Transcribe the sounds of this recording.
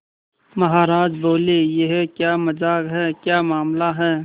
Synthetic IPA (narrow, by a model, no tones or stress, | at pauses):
mɐɦaːɾaːd͡ʒboːlejeɦɛkjaːmɐd͡ʒaːɡɦɛːkjaːmaːmlaɦɛː